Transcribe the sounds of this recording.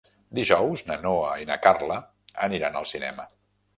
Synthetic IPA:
d̪iʒɔwznənoəinə̰karlə | əniɾanə̰lˠsinɛ̰mə

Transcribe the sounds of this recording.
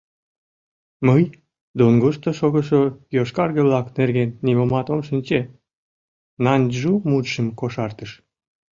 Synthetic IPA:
məj | d̪onɡoʃt̪oʃoɣəʃojoʃkɑrɣəβlɑknerɣenːimomɑt̪omʃinʲt͡ɕe | nɑnʒumut̪ʃəmkoʃɑrt̪əʃ

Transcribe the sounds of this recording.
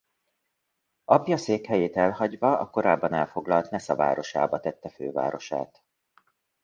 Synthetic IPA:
ɒpjɒseːkhɛjeːt̪ɛlɦɒɟvɒɒko̞ɾaːbːɒnɛlfo̞ɡlɒlt̪nɛsɒva̰ːɾo̞ʃa̰ːbɒt̪ɛt̪ːɛføːva̰ːɾo̞ʃa̰ːt̪

